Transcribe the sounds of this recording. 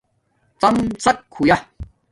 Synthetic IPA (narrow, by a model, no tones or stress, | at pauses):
t͡sɐmt͡sɐkʰːuja